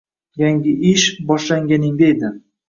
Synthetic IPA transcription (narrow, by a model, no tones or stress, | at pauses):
jaŋɡʲɪʔɪʃbɒʃlaŋɡʲanɪŋd̪aed̪ɪ